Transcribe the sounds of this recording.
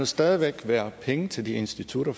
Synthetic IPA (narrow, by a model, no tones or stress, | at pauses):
osd̥ɛːð̞ˠiʋeɡ̥ʋæːɐpʰeŋət͡sʰe̝ld̥ie̝nsd̥it͡sʰuɾ̥ɐ